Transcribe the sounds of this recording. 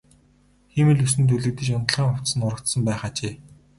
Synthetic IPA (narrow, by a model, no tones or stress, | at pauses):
xemɘ̆ɮusɘ̆nt̪̬ʰuɮɘ̆k̚t̪ɘ̆t͡ɕʊnt̪ə̆ɮʁiːŋχʊw̥t̪sə̆nʊɾə̆kt̪sə̆mpæːχaːt͡ɕeː